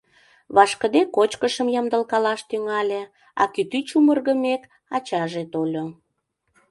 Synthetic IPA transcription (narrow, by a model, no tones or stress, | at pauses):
βɑʃkəd̪ekot͡ɕkəʃəmjɑmd̪əlkɑlɑʃt̪yŋɑlʲe | ɑ̰kyt̪yt͡ɕumərɣəmek | ɑt͡ɕɑʒet̪olʲo